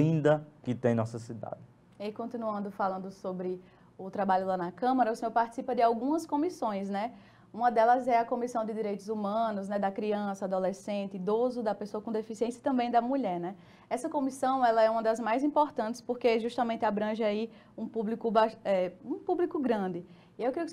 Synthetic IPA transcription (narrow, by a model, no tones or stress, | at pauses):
ĩnd̪ɐkɪt̪ẽj̃nɔsɐsid̪a̰d͡ʒɪ | ɪkõnt̪ĩnuɐ̃nd̪ʊfalɐ̃nd̪ʊsobɾɪ | ʊt̪ɾabaʎʊlanɐkɐ̃mɐɾɐʊsẽoɾpaɾt̪i̥sipɐd̪ɪawɡũmɐskõmisõj̃s̬nɛ | ũmɐd̪ɛlɐzɛɐkõmisɐ̃w̃d̪ɪd̪iɾejt̪ʊzumɐ̃nʊznɛd̪ɐkɾiɐ̃sɐad̪olesẽnt̪ɪd̪ozʊd̪ɐpesoɐkõd̪efisiẽsjɐt̪ɐ̃mbẽj̃d̪ɐmuʎɛɾnɛ | ɛsɐkõmisɐ̃w̃ɛlɐɛũmɐd̪ɐzmajzĩpoɾt̪ɐ̃nt̪ɪ̥spoɾkeʒuʃt̪ɐmẽnt̪ɪabɾɐ̃ʒai | ũpublikʊbaʃɛũpublikʊɡɾɐ̃d̪ɪ | iewkɾijʊk